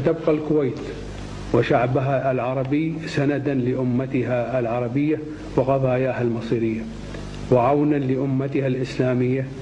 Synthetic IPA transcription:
t̪abqalkʊwaːt̪ | wɪʃaʕbaɦalʕɑɾˤɑbisanad̪anlɪʔʊmːat̪ɪɦaːlʕɑɾˤɑbɪjːa | wɪqɑðˤɑːjaːhalmɑsˤiːɾɪjːa | wɪʕawnanlɪʔʊmːat̪ɪhalʔɪslaːmɪjːa

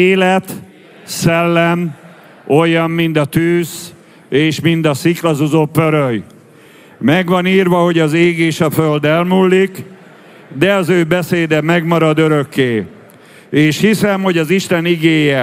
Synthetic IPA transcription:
eːlɛt̪ | sɛlːɛm | o̞jːɒmːind̪ɒt̪yːz | eːʃmind̪ɒsiklɒzuzopːøɾøj | mɛɡʋɒniːrvɒɦo̞ɟɒzeːɡeːʃɒføld̪ɛlmulːik | d̪ɛɒzøːbɛseːd̪ɛmɛɡmɒɾɒd̪ø̞ɾøkːeː | eːʃhisɛmho̞ɟɒziʃt̪ɛniɡeːjɛ

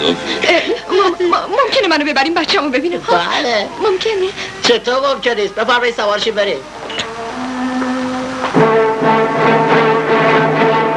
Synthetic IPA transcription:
mommomcʲʰenemænobe̞bæɾiːmbætt͡ʃʰːæmobe̞biːnialemomcʰenit͡ʃʰet̪ʰoːmomkʰeniːst̪̚befæɾmɒjid̪sævɒːɾʃimbeɾiːm

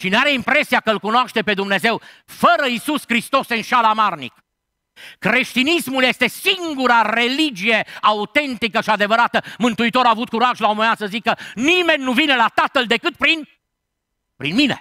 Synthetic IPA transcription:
ʃineaɾe̞impɾe̞siakəɨlkunoaʃt̪e̞pe̞d̪umne̞ze̞w | fəɾəisuskɾist̪o̞sɨnʃalamarnḭk | kɾe̞ʃt̪inismulje̞st̪e̞siŋɡuɾaɾe̞lid͡ʒije̞aut̪e̞nt̪ikəʃiad̪e̞vəɾat̪əmɨnt̪uit̪o̞ɾaːvut̪̚kuɾaʒlaomemeasəzikənime̞nʲːuvine̞lat̪at̪əld̪e̞kɨt̪̚pɾin | pɾinmine̞̰

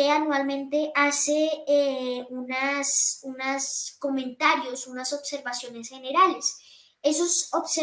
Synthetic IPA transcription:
eanwalmẽ̞nt̪e̞ʔase̞eunasunasko̞mẽnt̪aɾjosunaso̞bse̞ɾβasjo̞ne̞sxe̞ne̞ɾale̞s | e̞sosobse

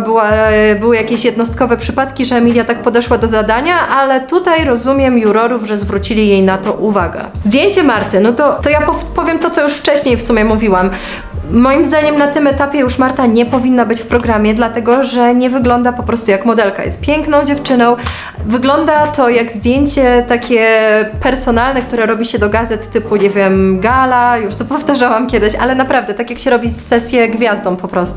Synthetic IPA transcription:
bɘwabɘwɘjakʲeɕjɛd̪nɔst̪̚kɔvɛpʂɘpat̪kʲiʐɛːmʲilʲjat̪ak̚pɔd̪ɛʂwad̪ɔzad̪aɲaʔalɛt̪ut̪ajɾɔzumʲjɛmjuɾɔɾuvʐɛzvɾut͡ɕilʲijejnat̪ɔʔuvaɡɛ̰zd̪ʲjeɲt͡ɕɛmaɾt̪ɘnɔt̪ɔt̪ɔjapɔpɔvʲjɛmt̪ɔt̪ɔjuʂft͡ʂɛɕɲejfsumʲjɛmuvʲiwamː | ɔjimzd̪aɲɛmnat̪ɘmɛt̪apʲjɛjuʂmaɾt̪aɲɛpɔvʲinːabɘt͡ɕfpɾɔɡɾamʲjɛd̪lat̪ɛɡɔʐɛɲɛvɘɡlɔnd̪apɔpɾɔst̪ujakmɔd̪ɛlka̰jɛ̰st̪̚pʲjɛŋknɔ̃w̃d͡ʑɛft͡ʂɘnɔ̃w̃ | vɘɡlɔnd̪at̪ɔjaɡzd̪ʲjeɲt͡ɕɛt̪akʲɛpɛɾsɔnalnɛkt̪uɾɛɾɔbʲiɕɛd̪ɔɡazɛt̪ːɘpuɲɛvʲjɛmɡalajuʂt̪ɔpɔft̪aʐawamkʲɛd̪ɘɕa̰lɛnapɾavd̪ɛt̪akʲjakɕɛɾɔbʲisːɛsʲjɛɡvʲjazd̪ɔ̃w̃pɔpɾɔst̪u

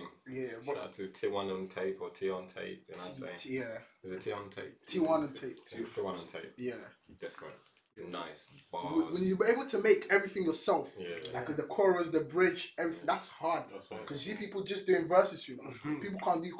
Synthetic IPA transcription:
mjæwʌtʰutʰiwʌ̃nə̃ntʰeɪpʰətʰiɔ̃ntʰḛɪp̚əjæzɨtʰiɔ̃ntʰeɪp̚tʰiwʌ̃nə̃ntʰeɪpʰtʰiwʌ̃nə̃ntʰeɪp̚jæd̥ɛf | na̰ɪswawwə̃njəbĩeɪbl̩ˠtʰəmeɪkɛvɹiθɪ̃ŋjə˞sɛlˠfjælaɪkʌzðəkʰɔɹəzðəbɹɪd͡ʒɛvɹiθɪ̃ŋðætshɑɹd̚skʰʌzhipipl̩ˠd͡ʒʌsd̥ʉɪ̃ŋvɜ˞sɨz̥ɨnopip̬l̩ˠkʰɑ̃nd̥ɨ

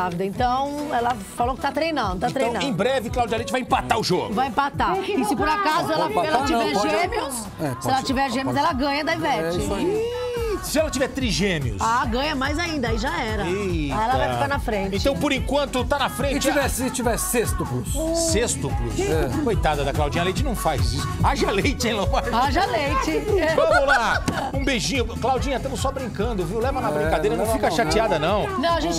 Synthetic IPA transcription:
avid̪ɐẽt̪ɐ̃w̃ɛlɐ | falowkɪ̥t̪at̪ɾejnɐ̃nd̪ʊt̪ãt̪ɾeɐ̃jñw̪ɐ̃ẽj̃bɾɛvɪklawd͡ʒialẽt͡ʃɪvajẽpat̪aʊʒoɡʊvajẽpat̪akɪsɪpoɾakazʊɛlɐfɛlɐt͡ʃivvɛɾʒẽmiʊs | ɛsɪɛlɐt͡ʃivɛɾʒẽmjʊzɛlɐɡɐ̃ɲɐd̪aivɛt͡ʃɪõ | sɪɛlɐt͡ʃivɛɾt̪ɾiʒẽmiʊ̰saɡɐ̃ɲɐmajzaĩnd̪ɐaiʒaɛɾɐiɛlɐvajft̪aɾnɐfɾẽt͡ʃẽɪt̪ɐ̃w̃poɾẽŋkwɐ̃nt̪ʊt̪anɐfɾẽnt͡ʃɪivɛst͡ʃivɛsest̪ʊklʊssest̪ʊklʊ̰sɛkojt̪ad̪ɐd̪ɐklawd͡ʒĩɲɐlejt͡ʃɪnɐ̃w̃fajzisʊaʒɐalejt͡ʃɪẽj̃nɐ̃w̃fajaʒɐalejt͡ʃɪɛvɐ̃mʊlaũbeʒĩɲʊklawd͡ʒĩɲɐt̪ɐ̃mʊsɔbɾĩkɐ̃nd̪ʊviwlɛvɐnɐbɾĩkad̪ejɾɐnɐ̃w̃fikɐʃat͡ʃiad̪ɐnɐ̃w̃nɐ̃w̃ɐʒẽnt͡ʃ

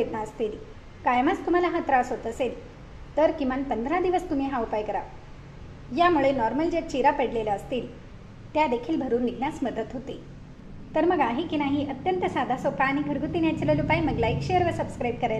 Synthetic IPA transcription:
ed̪̚naəst̪iːl | kajəmast̪um̤alaɦat̪ɾasɦot̪əsel | t̪əɾkĩʋanpənd̪ʱɾad̪iʋəst̪um̤iɦaupajkəɾa | jamuɭenɔɾməld͡ʑet͡ɕiɾapeɽlelaəst̪iːl | t̪jad̪ekʰiːlbʱəɾuːnːiɡnjasməd̪ət̪ɦot̪i | t̪əɾməɡaɦikinaɦiʔət̪jənt̪əsad̪ʱasokaːɽ̃iɡʱəɾɡʱut̪injat͡ɕeləlupajməɡlajkɕeəɾʋəsəbskɾajb̚kəɾajl

